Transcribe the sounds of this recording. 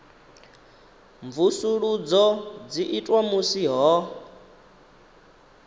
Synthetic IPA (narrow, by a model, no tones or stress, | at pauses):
ɱvusuɺud͡zɔd͡ziʔitʼwamusiɦɔ